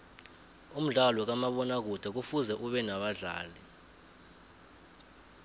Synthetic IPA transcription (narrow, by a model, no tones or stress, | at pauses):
um̩ɮalɔk̬amaɓɔnak̬ud̥ʱɛk̬ufuzɛʔuɓɛnaɓaɮa̰ːli